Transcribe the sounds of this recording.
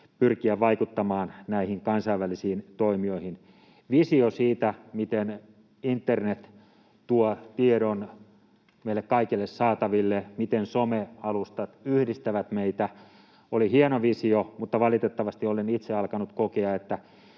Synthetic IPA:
pyrkiæʋɑikut̪ːɑmɑːnnæihiŋkɑnsɑiʋʋælisiːnt̪oimioihin | ʋisiosiːt̪æmit̪en | int̪ːernet̪ | t̪uɔt̪ieɾon | meilekkɑikilːessɑːt̪ɑʋilːemit̪ensomeɑlust̪ɑt̪yhdist̪æʋæt̪meit̪æ | olihienoʋisiomut̪ːɑʋɑlit̪et̪ːɑʋɑst̪iolenit̪seɑlkɑnut̪kokeɑet̪ːæ

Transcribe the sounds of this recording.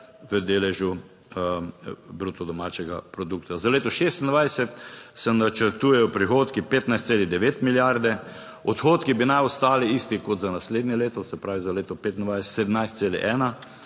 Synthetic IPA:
ʋəd̪eːlɛʒju | bɾuːt̪ɔd̪ɔmaːt͡ʃɛɡapɾɔd̪ukt̪azaleːt̪ɔʃeːst̪nd̪ʋajsɛt̪sɛnat͡ʃəɾt̪uːjɛjɔpɾixoːt̪kipeːt̪najst̪seːlid̪ɛʋeːt̪miljaɾd̪ɛ | ɔt̪xoːt̪kibinajɔst̪aːliist̪ikɔt̪zanasleːd̪njɛleːt̪ɔsɛpɾaːʋizaleːt̪ɔpeːt̪nd̪ʋajsɛsɛd̪mnajst̪seːlɛ̰ʔɛːna

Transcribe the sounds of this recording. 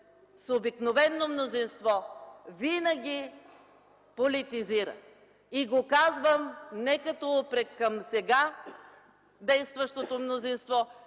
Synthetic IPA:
sobiknovɛnːomnozinst̪vɔvinəɡʲi | polit̪iziɾə̰ | iɡokazvəmnɛkɐt̪ɔpɾɛkːɐmsɛɡa | d̪ɛjst̪vəʃt̪ot̪omnozinst̪vɔ

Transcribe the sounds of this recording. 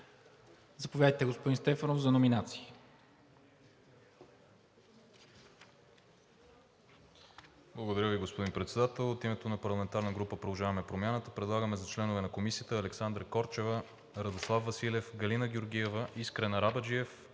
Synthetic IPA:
zɐpovʲjad̪əjt̪ɛɡospod̪inst̪ɛfənofzɐnominat̪si̥i | blˠəɡod̪ɐɾʲjəviɡospod̪inpɾɛt̪sɛd̪at̪ɛlˠot̪imɛt̪onɐpɐɾlˠɐmɛnt̪aɾnəɡɾupəpɾod̪ˠʒavɐmɛpɾomʲjanət̪əpɾɛd̪lˠaɡəmɛzɐt͡ʃlɛnovɛnɐkomisiət̪əːlɛksand̪ɾəkɔɾt͡ʃɛvə | ɾɐd̪oslˠavvːɐsilɛfɡɐlinəɡʲjoɾɡ̟iɛvəʔiskɾɛnɐɾabəd͡ʒiɛf

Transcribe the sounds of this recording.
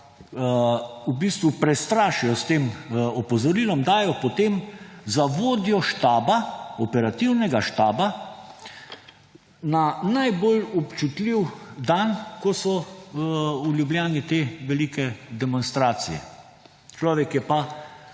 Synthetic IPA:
ubiːst̪ʋupɾɛst̪ɾaːʃijɔst̪eːmɔpɔzɔɾiːlɔmd̪aːjɔpot̪eːmzaʋoːd̪jɔʃt̪aːbaɔpɛɾat̪iwnɛɡaʃt̪aːba | nanajbolɔpt͡ʃut̪liwd̪ankɔsɔ | ulʲjublʲjaːnit̪eːʋɛliːkɛd̪ɛmɔnst̪ɾaːsijɛ̰ | t͡ʃlɔːʋɛkjɛpa

